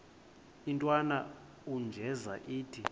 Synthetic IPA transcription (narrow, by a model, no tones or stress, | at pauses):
intʼwana | und͡ʒʱɛza̰ʔiːtʰi